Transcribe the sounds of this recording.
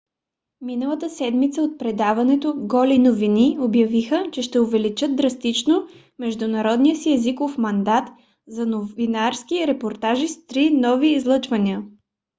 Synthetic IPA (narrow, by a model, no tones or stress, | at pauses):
minəlˠət̪əsɛd̪mit̪səot̪̚pɾɛd̪avɐnɛt̪oɡɔlinoviniobjɐvixət͡ʃɛʃt̪ɛovɛlit͡ʃɤd̪̚d̪ɾɐst̪it͡ʃno | mɛʒd̪ʊnɐɾɔd̪nijəsiɛzikofmɐnd̪at̪ | zɐnovinaɾskiɾɛpoɾt̪aʒist̪ɾinɔviːzlˠɤt͡ʃvɐniə